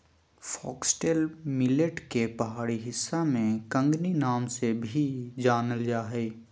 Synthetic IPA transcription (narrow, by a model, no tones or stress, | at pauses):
fɔːksʈelmɪleʈkepɐɦaːɽiɦɪsːamẽkə̃ŋɡninaːmsebʱid͡ʒaːnəld͡ʒaːɦɛ